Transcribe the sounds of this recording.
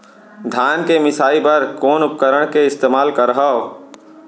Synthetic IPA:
d̪ʱaːnkemɪsaːipəɾkoːnʊp̚kəɾəɽ̃keɪst̪eːmaːlkəɾɦa

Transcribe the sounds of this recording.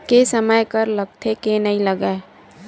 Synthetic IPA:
kesəməjkəɾləɡ̚t̪ʰekenəɦĩləɡeː

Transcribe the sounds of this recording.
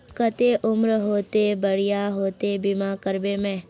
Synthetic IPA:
pkət̪eʔʊmɾəɦoːt̪ebəɽijaɦoːt̪ebimakəɾbemẽː

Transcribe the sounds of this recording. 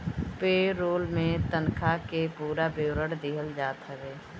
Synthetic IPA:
peːɾoːlmẽt̪ənkʰakepuːɾabewɾəɽd̪iɦəld͡ʒaːt̪ɦəɾeː

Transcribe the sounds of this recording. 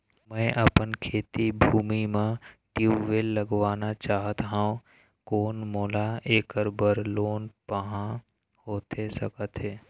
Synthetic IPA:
mɛ̃ːʔəpənkʰeːt̪ibʱuːmimẽʈjuʋeːlːəɡwaːnat͡ʃaːɦət̪ɦaːõ | koːnmoːlaeːkəɾbəɾloːnpəɦã | hoːt̪esəkət̪ɦeː

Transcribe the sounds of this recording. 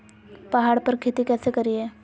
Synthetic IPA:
pɐɦaːɽpəɾkʰeːt̪ikɛːsekəɾiɦɛː

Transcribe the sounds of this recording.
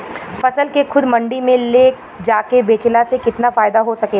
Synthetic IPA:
fɐsəlkexʰʊd̪mɐ̃ɳɖimẽleːk | d͡ʒaːkebeːt͡ʃlasekɪt̪nafaːɪd̪aɦosɐkeː

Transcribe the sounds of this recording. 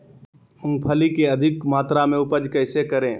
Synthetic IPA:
ʊ̃ŋɡ̚pʰəlikeɐd̪ʱɪkmaːt̪ɾamẽʊpəd͡ʒkɛːsekɐɾẽː

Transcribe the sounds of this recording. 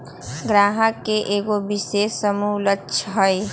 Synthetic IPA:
ɡɾaːɦəkːeʔeːɡobiseːsːəmulətːʃʰɦəj

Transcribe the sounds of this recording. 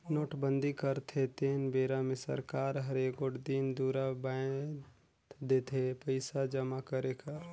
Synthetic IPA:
noːʈbə̃nd̪ikəɾt̪ʰet̪eːnbeːɾamɪsə̰ɾkaːɾɦɐɾeɡoʈd̪ind̪uːɾabã | t̪d̪eːt̪ʰepəɪsad͡ʒɐmakəɾekɐɾ

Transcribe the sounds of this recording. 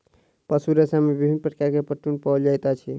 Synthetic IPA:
pəsuɾesamebibʱinpəʈkaɾkepəʈunpɔd͡ʒajt̪at͡ʃʰi

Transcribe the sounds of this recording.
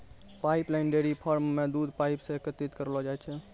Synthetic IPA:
paiplaɪnɖeɾipʰəɾmːed̪ud̪ʱpaipsẽekət̪it̪kəɾlɔd͡ʒajt͡ʃʰɛ

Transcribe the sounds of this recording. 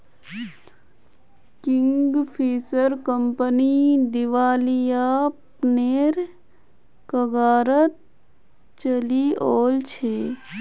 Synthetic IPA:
kɪ̃ŋɡpʰiːsəɾkəmpənid̪ɪʋaːlijaːpneːɾ | kəɡaːɾət̪̚ | t͡ʃəlioːlt͡ʃʰeː

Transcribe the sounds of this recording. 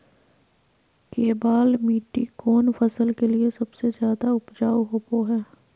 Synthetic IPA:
keːbaːlmiːʈːikoːnfɐsəlkeliesɐbsezjaːd̪aʊpd͡ʒaːwɦopoɦɛː

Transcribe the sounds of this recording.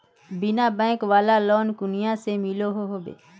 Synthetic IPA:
binãːbɛ̃ːkʋaːlaːlɔːnkʊnɪjãːseːmiːloːɦoːɦoːbḛː

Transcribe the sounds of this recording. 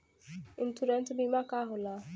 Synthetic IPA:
ɪntʰuɾɛntbimakaɦʊla

